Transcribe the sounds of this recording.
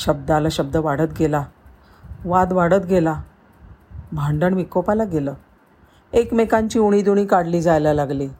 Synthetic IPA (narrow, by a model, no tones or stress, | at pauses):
ɕəb̚d̪əalaɕəb̚d̪əʋaɽət̪̚ɡʱela | ʋad̪ʋaɽət̪ɡʱela | bʱaɳɖəɳʋikopalaɡeləː | ekmekaɲt͡ɕiːuɽ̃iːd̪uɽ̃iːkaɽliːd͡zajlalaɡliː